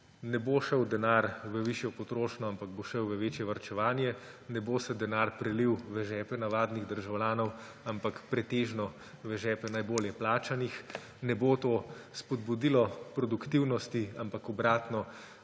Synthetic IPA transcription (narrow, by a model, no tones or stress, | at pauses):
nɛboʃəwd̪ɛnaɾʋəʋiʃjɔpɔt̪ɾoːʃnɔampaɡ̚boʃəwʋəʋeːt͡ʃjɛʋɐɾt͡ʃɛʋaːnjɛ | nɛboːsɛd̪ɛnaɾpɾɛliwʋɛʒɛːpɛnaʋaːd̪niɣd̪əɾʒawljaːnɔw | ampakpɾɛt̪eːʒnɔ | ʋɛʒɛːpɛnajboːljɛplaːt͡ʃanix | nɛboːt̪oːspɔd̪bud̪ilɔpɾɔd̪ukt̪iwnɔst̪iampakɔbɾaːt̪nɔ